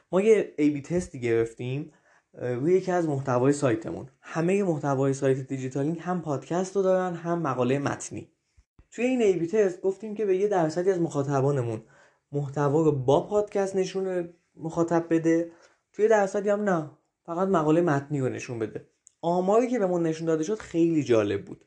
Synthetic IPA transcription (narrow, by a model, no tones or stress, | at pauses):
mɒːjeejbiːt̪ʰe̞st̪iːɟe̞ɾe̞ft̪im | ɾuːjejecʰiæzmoht̪ʰævɒːje̞sɒːjt̪ʰe̞̰mṵnhæme̞je̞moht̪ʰævɒːje̞sɒːjt̪ʰed̪id͡ʒit̪ʰɒliŋhæmpʰɒːd̪̥cʰæst̪ɾod̪ɒːɾænɦæmːæɣɒːlejemæ̰t̪ʰnḭ | t̪ʰuje̞iːnejbit̪ʰe̞st̪̚ɡo̞ft̪iːmcʰe̞be̞je̞d̪æɾsæd̪iæzmo̞xɒːt̪ʰæbɒːne̞mun | moht̪ʰævɒːɾobɒːpʰɒːd̪̥cʰæst̪ne̞ʃun | moxɒːt̪ʰæb̚ːe̞d̪e̞ | t̪ʰuje̞d̪æɾsæd̪iːæmnæ | fæɣæt̪mæɣɒːlejemæt̪niːɾone̞̰ʃunbe̞d̪e̞ | ɒːmɒːɾiːcʰe̞be̞mɒːnːe̞ʃund̪ɒːd̪e̞ʃod̪̥xe̞jliːd͡ʒɒ̰ːle̞b̚bṵːd̪̥